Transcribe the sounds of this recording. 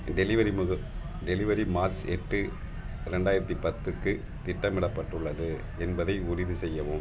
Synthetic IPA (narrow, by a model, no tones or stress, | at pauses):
ɖɛlɪʋɐɾimɣɯ | ɖɛlɪʋɐɾimaːɾsɛʈːɯ | ɪɾɛɳɖaːjɪɾɐt̪ːipɐt̪ːɯkːɯ | t̪ɪʈːɐmɪɽɐpːɐʈːɯɭːɐðɯ | ɛnbɐðɐɪʊɾɪðɯsɛjːɐʋɯm